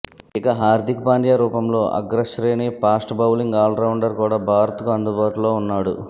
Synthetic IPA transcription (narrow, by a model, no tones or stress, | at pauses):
ikɐɦaːɾd̪ʱikpaːɳɖjaːɾuːpɐmlo̞ːʔɐ̰ɡɾɐʃɾeːnipaːsʈbʱɐwliŋɡaːlɾɐwɳɖɐɾkuːɽaːbʱaːɾɐt̪ukuɐnd̪ubaːʈulo̞ːunːaːɽṵ